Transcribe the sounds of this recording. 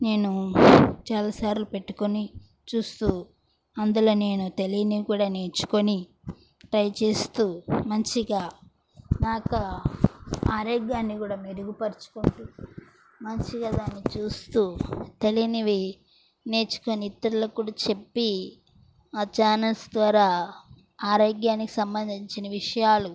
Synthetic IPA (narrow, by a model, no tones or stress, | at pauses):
ne̞ːnut͡ʃaːlaːsaːɾlupe̞ʈːu̥koni | t͡ʃuːst̪uː | ɐnd̪ulo̞ːne̞ːnut̪e̞liniʋikuːɽaːne̞ːt͡ʃu̥ko̞ni | ʈɾɐjt͡ʃe̞ːst̪uːmɐɲt͡ʃiɡaː | naːkɐ | aːɾeɡjaːnːikuːɽaːmeɾuɡupɐɾt͡ʃu̥koɳʈu | mɐɲt͡ʃiɡaːd̪aːnːikt͡ʃuːst̪uːt̪e̞liniʋi | ne̞ːt͡ʃu̥ko̞niːt̪ːɐɾulɐkuːɽaːt͡ʃe̞pːi | at͡ʃaːnɐlsd̪ʋaːɾaː | aːɾoːɡjaːniki̥sɐmbɐnd̪iɲt͡ʃinɐʋiʂɐjaːlu